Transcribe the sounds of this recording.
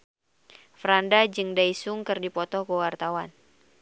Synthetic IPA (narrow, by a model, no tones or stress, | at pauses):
fɾandad͡ʒɨŋdaisuŋkɨrdipɔt̪ɔhkəwart̪awan